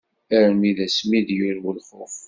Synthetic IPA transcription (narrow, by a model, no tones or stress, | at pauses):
æɾmiðæsmiðjiɾwəlχof